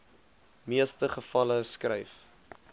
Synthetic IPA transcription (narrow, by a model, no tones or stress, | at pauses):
miəstəχəfɐləskrɛjf